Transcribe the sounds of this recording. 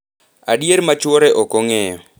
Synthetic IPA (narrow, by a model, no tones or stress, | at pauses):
a̰ɗieɾmat͡ʃwɔɾɛʔɔkoŋɛjɔ̰